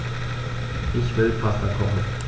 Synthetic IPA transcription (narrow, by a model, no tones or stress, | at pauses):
ʔɪçv̥ɪlpʰasakʰɔχn̩